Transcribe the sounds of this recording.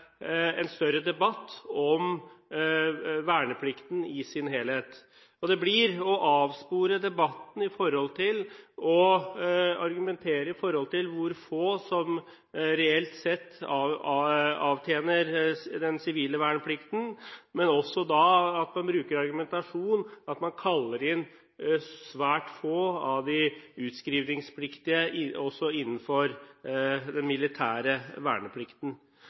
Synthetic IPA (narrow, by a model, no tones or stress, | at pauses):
ɛnst̪œɾəd̪ɛbɑt̪ːɔm | ʋæːɳəpʰlɪkt̪n̩ɪsɪnɦeːlheːt̪ | ɔd̪ɛblɪɾɔʔɑːʋspuːɾəd̪ɛbɑt̪ːn̩ɪfɔɾɔlt̪ʰɪlɔ | ɑɾɡʉmɛnt̪ʰeːɾəɪfɔɾhɔlt̪ɪlʋʊɾfoːsɔm | ɾɛɛlt̪sɛt̪ː | ɑːʋt̪ʰjeːnəɾd̪ɛnsɪʋiːləʋæːɳəpʰlɪkt̪n̩mɛnɔsːɔd̪ɑɑt̪mɑnbɾʉːkəɾɑɾɡʉmɛnt̪ɑʂuːnɑt̪mɑnkʰɑlːəɾɪn | sʋæːʈfoːɑʋd̪ɪʉːt̪skɾiːʋnɪŋspʰlɪkt̪ɪəɔsːɔɪnːn̩fɔɾ | d̪ɛnmɪlɪt̪ʰæːɾəʋæ̰ːɳəpʰlɪkt̪n̩